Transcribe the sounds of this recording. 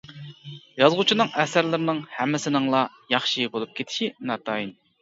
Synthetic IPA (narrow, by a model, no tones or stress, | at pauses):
jɑzʁʊt͡ʃʰinɨŋɛsæɾlɪɾɪnɨŋhɛmːɪsɪnɨŋlˠɑ | jɑχʃibolˠup̚kʲʰet̪ʰɪ̥ʃinɑt̪ʰɑːjin